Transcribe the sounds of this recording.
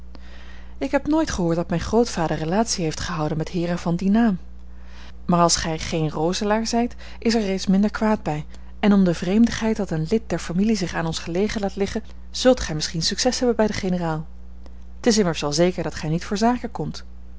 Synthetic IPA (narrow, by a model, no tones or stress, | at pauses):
ɪkɦɛpnoːjtχəɦʊːɹtdɑtmɛjnχrowtfaːdəɹrəlaːtsiɦejftχəɦɑwdənmɛtɦɪːɹrənvɑndinaːm | maːɹɑlˠsχɛjχejnrowzəlaːɹzɛjt | ɪsɛɹrejtsmɪndəɹkʋaːd̚bɛj | ɛnɔmdəvrejmdəχɦɛjt̚dɑtənlɪt̚dɛɹfamilizɪχaːnɔnsχəlejχənlaːtlɪχən | z̥ɵlˠtχɛjmɪsχinsyksɛsɦɛbənbɛjdəχenəraːlˠ | ətɪs̬ɪməɹsʋɛlˠzejkəɹdɑtχɛjnitfʊːɹzaːkəkɔmt